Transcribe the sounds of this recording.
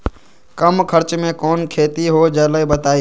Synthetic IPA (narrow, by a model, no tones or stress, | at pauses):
kəmkʰəɾt͡ʃmẽkoːnkʰeːt̪iɦoːd͡ʒəːləibət̪aːiː